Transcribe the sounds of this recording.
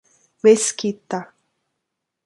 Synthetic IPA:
weskit̪a

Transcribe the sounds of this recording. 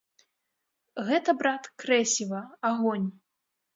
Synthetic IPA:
ɣɛt̪ɐbɾat̪kɾɛsʲivɐaɣɔnʲ

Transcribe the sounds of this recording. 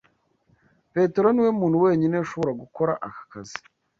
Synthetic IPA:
pe̞te̞ɾo̞niwe̞muːnhuwe̞ːɲineʃo̞βo̞ɾaɡuko̞ɾa̰ʔakḁkazi̥

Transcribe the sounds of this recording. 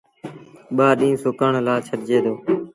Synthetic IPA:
ɓaːɗĩːsʊkəɳlaːt͡ʃʰəɾd͡ʒeːd̪oː

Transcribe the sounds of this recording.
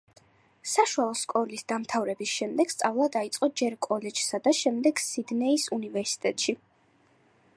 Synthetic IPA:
saʃualˠɔskʼɔlisd̪amt̪ʰavɾɛbisʃɛmd̪ɛɡ̥st̪sʼavlˠad̪ait̪sʼqʼɔd͡ʒɛɾkʼɔlɛd͡ʒsad̪aʃɛmd̪ɛɡ̥sid̪nɛisunivɛɾsi̥t̪ʼɛt̪ʼʃi

